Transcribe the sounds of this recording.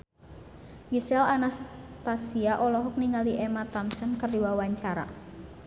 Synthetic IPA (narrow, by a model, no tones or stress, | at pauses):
ɡisɛlanast̪asiaʔɔlɔɦɔk̚niŋaliʔɛmat̪amsənkərdiwawaɲt͡ʃaɾa̰